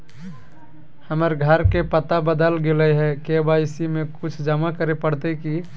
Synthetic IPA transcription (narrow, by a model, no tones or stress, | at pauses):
həməɾɡʱəɾkepət̪abəd̪əlɡeləɦɛkebaɪsimẽkʊt͡ʃʰd͡ʒəmakəɾepəɽt̪eki